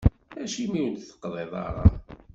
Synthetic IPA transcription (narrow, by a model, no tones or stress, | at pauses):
æʃimiwt̪θə̥qːðˤeðˤɑ̰ɾˤɑ̰